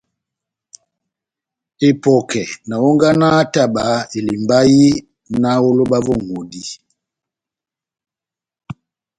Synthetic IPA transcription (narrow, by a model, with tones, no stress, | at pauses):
e˨pɔ˨kɛ˨na˨wo˦ŋɡa˦na˦ta˦˨ba˨˦i˨li˨mba˦ji˦ | na˦wo˦lo˦ba˦vɔ˦˨ŋo˨di˦